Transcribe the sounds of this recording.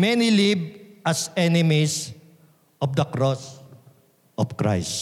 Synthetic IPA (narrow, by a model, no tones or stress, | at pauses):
mɛnilib̚ʔɐsɛnɪmis | ʔɔfd̪ɐkɾɔs | ʔɔvkɹa̰js